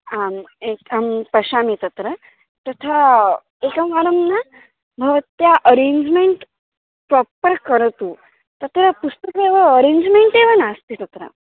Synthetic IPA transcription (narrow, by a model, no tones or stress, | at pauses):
amekampɐɕamit̪ɐt̪ɾə | t̪ət̪ʰa | ekəmʋaɾɐmna | bʱɐʋət̪jaʔəɾeɲd͡ʑmeɳʈ | pɾɔpːəɾkəɾt̪u | t̪ɐt̪ɾəpust̪əkeʋəəɾeɲd͡ʑmeɳʈeʋənast̪it̪ɐt̪ɾə̰